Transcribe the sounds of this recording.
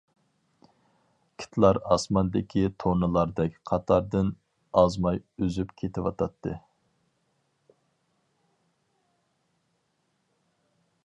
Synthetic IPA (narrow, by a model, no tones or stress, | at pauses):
kʲʰɪ̥t̪ʰlˠɑɾɑsmɑnd̪ɪkʲʰit̪ʰonɨlˠɑɾd̪ɛkʲqʰɑt̪ʰɑɾd̪ɨn | ɑzmɑjøzypkʲʰet̪ʰɪwɑt̪ʰɑt̪ʰːɨ